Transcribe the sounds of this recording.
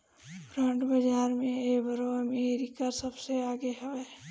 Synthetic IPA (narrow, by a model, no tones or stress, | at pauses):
pɾə̃ɳʈbəd͡ʒaːɾmẽebəɾoəmeɾikasəbseaːɡeɦəʋeː